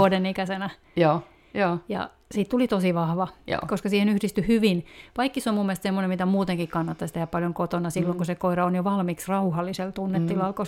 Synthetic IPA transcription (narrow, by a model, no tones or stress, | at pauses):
odenikæsenæ | oː | joːjɑ̰ | siːt̪t̪ulit̪osiʋɑhʋɑ̰ːkoskɑsiːhenyhdist̪yhyʋinʋɑikːisomumːielst̪semːonemit̪æmuːt̪eŋkikkɑnːɑt̪ːɑist̪ehæppɑljoŋkot̪onɑsilːoŋkusekoiɾɑonjoʋɑlmiksrɑuhɑlːiselt̪unːet̪ːilɑlko